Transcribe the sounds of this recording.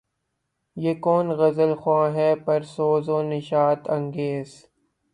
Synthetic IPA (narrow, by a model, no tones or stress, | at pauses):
jeːkoːnɣɐzəlxwãːɦɛːpɐɾsoːzõːnɪʃaːt̪ʰɐ̃ŋɡeːz